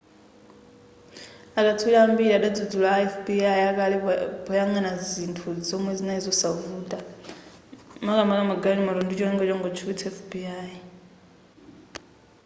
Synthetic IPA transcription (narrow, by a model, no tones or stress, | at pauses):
akʼatʰuɺambiɺaɗad͡zud͡zulaɛfbiaiakʼalɛbɔjaŋanazintʰuzɔmwɛzinaizɔsavuːtʼa | makʼamakʼamaɡalimaɾɔndut͡ʃʼɔɛŋɡɔt͡ʃʼɔŋɡɔt͡ʃʰuβitʰɛfbiai